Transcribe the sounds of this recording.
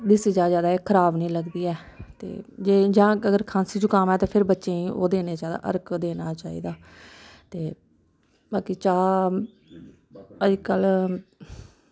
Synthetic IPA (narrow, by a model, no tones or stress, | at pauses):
d̪ɪsiːd͡ʒaːd͡ʒaːd̪aːeːkʰəɾaːbnəĩːləɡd̪iːɛːt̪ḛːd͡ʒeːd͡ʒãːəɡəɾkʰãːnsiːd͡ʒuːkəmɛːt̪aːpʰɪɾbətːʃeːĩːo̰ːd̪eːneːt͡ʃaːd̪a̰ːʔə̰ɾkd̪eːnaːt͡ʃaːḭːd̪aː | t̪eː | baːkiːt͡ʃaː | əd͡ʒkəl